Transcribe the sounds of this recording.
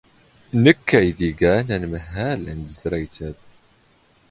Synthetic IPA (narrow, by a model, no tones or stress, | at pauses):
nəkːæjðiɡænænməhːælænd̪əzɾæjt͡sæð